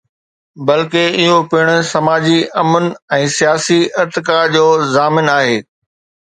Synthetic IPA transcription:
bɐlkeɪɦopɪɽ̃ʊ̆sɐmaːd͡ʑiʔɐmənɛ̃ːsijaːsiɪɾt̪ɪkad͡ʑoːzaːmɪnaːɦeː

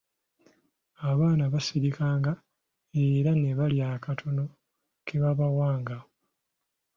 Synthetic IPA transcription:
aβaːnaβasiɾikaːŋɡa | e̞ɾaneβaljaːkatʰo̞no̞ | keβaβawaːŋɡa

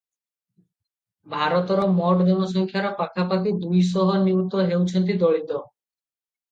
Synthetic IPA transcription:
bʱaɾɔt̪ɔɾɔmɔʈd̪emɔsɔŋkʰjaɾɔpakʰapakid̪ujs̬ɔɦɔniut̪ɔɦewt͡ʃʰɔnt̪̬id̪ɔɭit̪ɔ

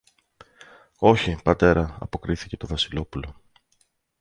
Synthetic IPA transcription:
o̞çipɐt̪e̞ɾɐɐ̰po̞kɾiθice̞t̪o̞vɐsilo̞pulo̞

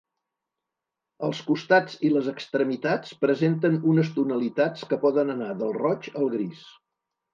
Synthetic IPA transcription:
əlˠskust̪ad͡ziləzəkst̪ɾəmit̪at͡spɾəzent̪ənunəst̪unəlit̪at͡skəpɔðənənaðəlˠrɔt͡ʃəlˠɣɾis

